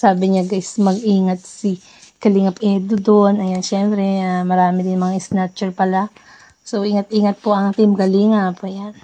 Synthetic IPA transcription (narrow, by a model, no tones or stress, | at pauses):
saːbɪɲaɡɐsmɐɡʔiːŋɐt̪̚si | kɐliŋɐpʔɛd̪od̪onɐjanʃɛmpɾɛamɐɾaːmɪd̪ɪnmɐŋaɪsnat͡ʃɛɹpɐla | sowʔiŋɐt̪̚ʔiːŋɐt̪̚poʔɐŋt̪imɡɐliːŋapɐjan